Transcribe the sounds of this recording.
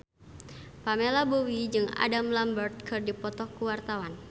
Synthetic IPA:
pamelabowid͡ʒɨŋa̰damlambərt̪̚kɨrdipɔt̪ɔkuwart̪awan

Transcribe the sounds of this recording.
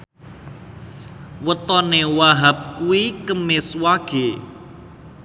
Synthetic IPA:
wət̪ɔnewaɦap̚kuwikəmɪswaɡ̥e

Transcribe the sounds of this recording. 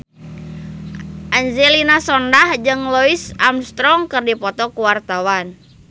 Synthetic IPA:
ʔaɲd͡ʒɛlinasɔndahd͡ʒɨŋlɔisamst̪ɾɔŋkɨrdipɔt̪ɔkuwart̪awan

